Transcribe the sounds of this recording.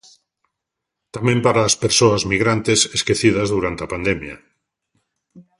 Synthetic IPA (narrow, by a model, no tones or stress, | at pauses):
t̪amẽmpaɾaːspeɾsoazmiɣɾant̪eseskeθiðazðuɾant̪eapand̪emja̰